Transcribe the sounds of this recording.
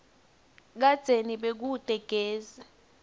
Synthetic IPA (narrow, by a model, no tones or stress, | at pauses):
k̬ad̥ʱeniɓek̬ud̥ʼʱɛɡ̥ʱeːzɛ